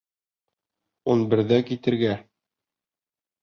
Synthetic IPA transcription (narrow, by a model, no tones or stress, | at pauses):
unbɘ̆ɾðækit̪ɘ̆ɾɡæ